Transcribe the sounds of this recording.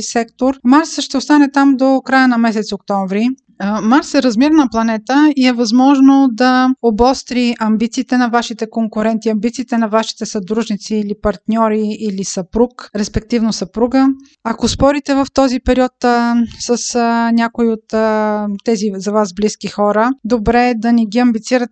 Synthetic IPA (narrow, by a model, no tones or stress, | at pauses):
sɛkt̪oɾmaɾsʃt̪ɛost̪anɛt̪amd̪okɾajənɐmɛs̬ɛt̪sokt̪ɔɱvɾi | maɾsɛɾɐzmiɾənɐplˠɐnɛt̪əiɛvɐzmɔʒnod̪ɐobɔst̪ɾiʔɐmbit̪siːt̪ɛnɐvaʃit̪ɛkoŋkʊɾɛnt̪iɐmbit̪siːt̪ɛnɐvaʃi̥t̪ɛsɐd̪ɾuʒnit̪siːlipɐɾt̪nʲɔɾiilisɐpɾukɾɛspɛk̚t̪ivnosɐpɾuɡə | ɐkospɔɾit̪ɛvəft̪ɔzipɛɾiɔt̪səsnʲakoiot̪t̪ːɛzizɐvazbliskixɔɾəd̪obɾɛd̪ɐniɡiɐmbit̪siɾət̪